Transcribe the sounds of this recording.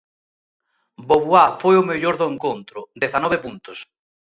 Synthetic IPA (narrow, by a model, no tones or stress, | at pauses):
boβuafojʊmeʎoɾðoeŋkont̪ɾʊd̪eθanɔβepunt̪ʊs